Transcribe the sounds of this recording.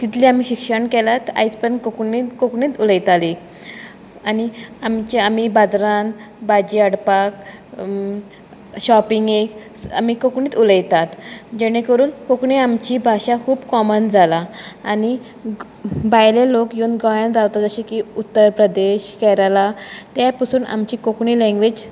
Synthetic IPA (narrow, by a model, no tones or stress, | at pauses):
k̪it̪liamiːɕikʂəɳkɛlat̪a̰jt͡spəɾnkoknikokɳiːt̪uləjt̪ali | aniamt͡ɕamibad͡zɾan | bad͡ʑiːəɽpak̚ | ɕɔpiŋɡek | a̰m̤iːkokɳĩːt̪uləjt̪at̪d͡ʑeɽ̃ekəɾuːnkokɳiamt͡ɕiːbʱaɕakʰuːbkɔmənd͡zʱalaːni | bajlelokjoːnɡɔjãnɾaʋt̪ad͡zəɕikiut̪ːəɾpɾəd̪eɕkɛɾalat̪japəsuːna̰mt͡ɕiːkokɳilɛ̃ŋɡʋed͡ʑ